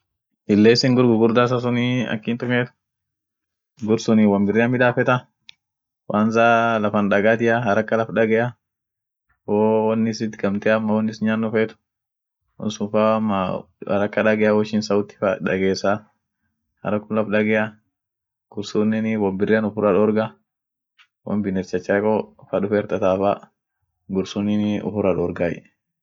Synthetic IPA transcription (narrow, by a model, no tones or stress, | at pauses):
ʔɪlːeːsɪŋɡʊɾɡʊɡʊɾd̪aːs̬as̬ʊniɐ̰kːiːnt̪ʊkeːt̪ʊ̥ | ɡʊɾsʊniwɐmbɪrːɪɐmɪᶑaːfɛt̪ɐ | wʔaːnzaːlɐfɐnᶑɐɡaːt̪ɪjaɦɐɾɐkːɐlɐfᶑɐɡɛʔa | wowɐnːɪsɪt̪ɡɐmt̪ɛamːɐwɔnːɪsɲaːnːʊfeːt̪ʊ̥ | wɔ̰nsʊnfamːa | ɐ̰ɾɐkːɐᶑɐɡɛjawɔʃɪnsɐwʊt̪ːɪ̥faᶑɐ̰ɡeːsa | hɐ̰ɾɐkːʊlɐfᶑɐɡɛʔa | ɡ̥ʊɾsunːɪnɪwɐbɪrːɛɐnʊfʊɾɐᶑɔːɾɡa | wɔ̰mbɪnɛɾt͡ʃɐt͡ʃːɐkofɐᶑʊfeːɾt̪ɐt̪aːfa | ɡʊɾsunːɪnʊ̰fʊɾɐᶑɔɾɡaːjɛ̰